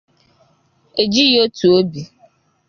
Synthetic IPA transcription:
e˨d͡ʒi˦jo˦tu˨o˦bi˨

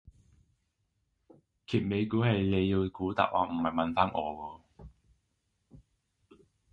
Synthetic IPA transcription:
kʰiː˨˩t̚me˨˧jkuː˨˥hɐ˨jle˨˧jːiː˧wkuː˨˥t̪a̰ː˨ʔ̚wa̰ː˨˥m̩˨˩mɐ˨jmɐ˨nfaː˥nʔɔ̰ː˨˧wɔː˧

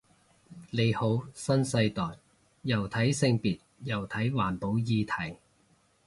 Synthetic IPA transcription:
le˨˧jho˨˥wsɐ˥nsɐ˧jt̪ɔː˨˩j | jɐ˨˩wt̪ʰɐ˨˥jsɪ˧ŋpiː˨t̚jɐ˨˩wt̪ʰɐ˨˥jwaː˨˩npo˨˥wjiː˧t̪ʰɐ˨˩j

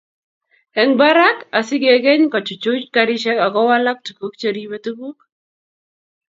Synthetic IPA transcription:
ɛ˨ŋba˦ɾa˦ka˨sɪ˦ɡe˨ɡɛ˦ɲka˨t͡ʃu˨t͡ʃu˦t͡ʃkaɾi˦ʃɛ˦ka˨ɡɔ˦wa˦la˦k̚tu˨ku˦k̚t͡ʃeɾiwe˦tu˦bu˦k̚

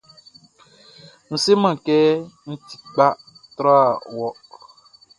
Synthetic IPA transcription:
ñ̩˨se˦mã˨kɛ˦ŋ̩˦t̪ʰi̥˨k͡pa˦ | t̪ɾa˦˨wɔ˦

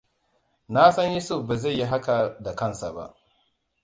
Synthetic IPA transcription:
na˦sɐ˦ɲju˦sʊ˦˨fba˨za˦˨jːi˦ɦa˦ka˨da˨kɐ˦˨nsa˨ba̰˦ʔ

